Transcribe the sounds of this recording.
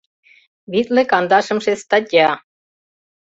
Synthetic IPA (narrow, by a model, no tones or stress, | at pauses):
βit̪lĕkɑnd̪ɑʃɤ̆mʃest̪ɑtʲɑ